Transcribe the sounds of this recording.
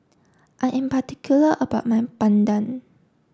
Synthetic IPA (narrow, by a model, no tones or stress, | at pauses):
ʔanʔĩmpat̪ikʰuləʔəbaʔmajmpandan